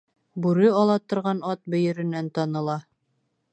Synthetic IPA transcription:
bʉɾɘɒlˠɑt̪ŏɾʁɑnɑt̪̚bɵ̆jɘ̆ɾɘ̆nænt̪ɑnɤ̆lˠɑ

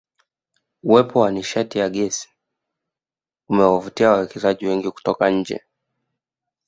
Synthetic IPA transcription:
uwɛpʰɔwaniʃatijaɠɛsi̥ | umɛwavutiawawɛkɛzaʄiwɛŋɡiku̥tɔkaɲ̩d͡ʒɛ̰

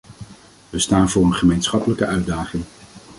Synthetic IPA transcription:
ʋəstaːnvʊːɹənχəmejnsχɑpələkəœɥdaːχɪŋ

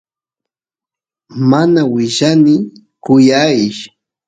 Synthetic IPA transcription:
manawɪʒanɪ | kʊjajɪʃ

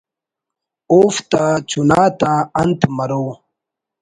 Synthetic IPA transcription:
oːft̪at͡ɕunaːt̪aɐnt̪ʰmɐɾoː

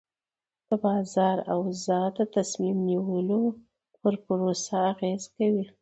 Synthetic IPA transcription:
d̪̥əbɑzɑɾawzɑd̪ət̪asmimniwəlo | pəɾpəɾosaːɣezkawi

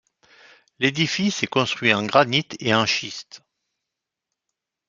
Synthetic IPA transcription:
led̪ifisɛkɔ̃st̪χɥiɑ̃ɡʁanit̪eɑ̃ʃist̪

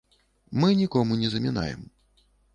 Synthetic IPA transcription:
mɨnʲikɔmunʲɛzɐmʲɛna̰jɛ̰m

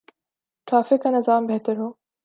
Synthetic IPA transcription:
ʈɾaːfɪkːanɪzaːmbeɦt̪əɾɦoː

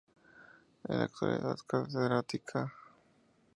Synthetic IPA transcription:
elak̚t̪wa̰lḭt̪at̪kat̪eðɾat̪ikʰa

